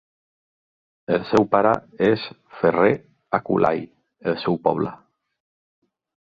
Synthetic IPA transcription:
elsewpaɾa̰es | fere | akṵlʔa̰j | elsɛwpɔ̰βla

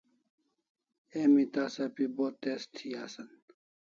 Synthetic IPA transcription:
eːmit̪aːsɐpiboːt̪est̪ʰiaːsɐn

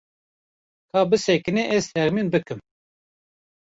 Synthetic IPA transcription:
kʰɑːbɨsɛkɨneʔɛz̥t̪ʰɛʁmiːnbɨkɨm

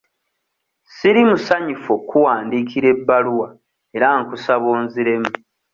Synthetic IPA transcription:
siɾimusaɲufokʰːuwaːndiːkʰiɾe̞bːaluwa | e̞ɾaŋkusaβoːnziɾe̞mu

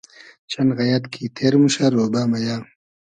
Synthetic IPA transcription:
t͡ʃanɣɐjat̪kʰit̪ʰeɾmuɕaɾobaːmɐjaː

